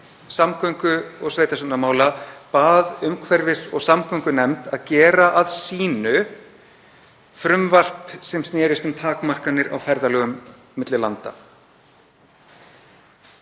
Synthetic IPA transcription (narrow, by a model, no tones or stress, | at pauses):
samkʰœɥŋkʏɔɣsveːjt̪asʏnamaːwlapaːðʏmkʰvɛɾvɪsɔ̰ɣsamkʰœŋkʏnɛmt̪aðcɛːɾaʔaðsiːnʏ | fɾʏmvar̥psɛmst̪njɛːɾɪst̪ʏmt̪ʰaːkmar̥kanːɪɾa̰wfɛɾðalœːɣʏmː | ɪt̪lɪlant̪a̰